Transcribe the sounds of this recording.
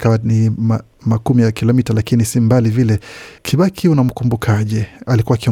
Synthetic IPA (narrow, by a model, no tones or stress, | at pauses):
kawanima | makumijakilɔmitalakinisimbalivilɛkʰiɓakʰiunam̩kumbukʰaʄɛalikuwakiɔ